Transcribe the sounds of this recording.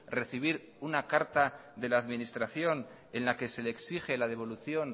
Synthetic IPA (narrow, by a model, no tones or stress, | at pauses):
re̞θiβ̞iɾ | unakaɾt̪aðe̞laːðminist̪ɾaθjo̞n | e̞nlake̞se̞leːksixe̞laðe̞βo̞luθjo̞n